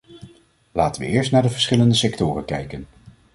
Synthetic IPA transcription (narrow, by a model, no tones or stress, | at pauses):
laːtənʋə̰ɪːɹstnaːdəvəɹsχɪləndəsɛktʊːrənkɛjkən